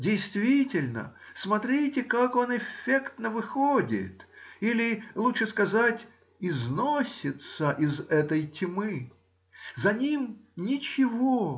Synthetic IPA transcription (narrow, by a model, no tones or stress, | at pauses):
dʲɪjst̪vʲitʲɪlʲnə̰smɐt̪ɾʲitʲɪkako̞nɪfʲːekt̪nəvɨxodʲɪ̰t̪ilʲɪlˠutʂɨskɐzatʲ | ɪznosʲɪt̪səʔɪzɛt̪əjtʲmɨ | zɐnʲimnʲɪt͡ɕɪvo